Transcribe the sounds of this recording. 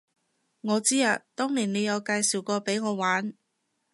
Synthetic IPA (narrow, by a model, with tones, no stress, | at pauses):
ŋɔː˨˧t͡siː˥aː˨˧t̪ɔː˥ŋliː˨˩ne˨˧jɐ˨˧wkaː˧jsiː˨˩wkɔː˧pe˨˥jŋɔː˨˧waː˨˥n